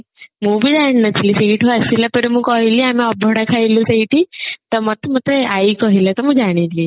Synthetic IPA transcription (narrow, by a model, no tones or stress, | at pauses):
mũːbʱid͡ʒaɳ̃nət͡ɕʰilisiʈʰoasilapəɾimũkɔɦiliamiɔbʱɔɽakʰailusəiʈit̪ɔmət̪mət̪eaikɔɦilat̪ɔmũd͡ʒaɽ̃ili